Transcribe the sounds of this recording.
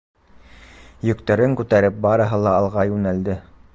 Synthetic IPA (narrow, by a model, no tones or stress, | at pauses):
jɵ̆kt̪æɾɘŋkʉt̪æɾɘp̚bɑɾɤ̆ɦɤlˠɑːlˠʁɑjʉnæld̪ɘ